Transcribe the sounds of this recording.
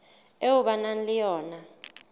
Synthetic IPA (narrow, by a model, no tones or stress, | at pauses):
euɓananlijɔːna